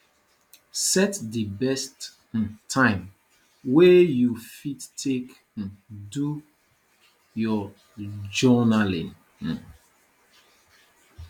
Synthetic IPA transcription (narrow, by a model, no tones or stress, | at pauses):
sɛtdəbɛst̩ | tʰːãɪ̃m | wɛjufittʰek̩ | du | jɔ | d͡ʒɔnalḭ̃n̩